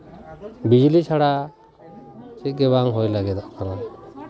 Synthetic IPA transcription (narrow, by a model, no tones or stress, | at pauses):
bid͡ʒlit͡ʃʰaɽa | t͡ʃɛɡɛβaŋɦojlaɡɛd̪aʔkʰana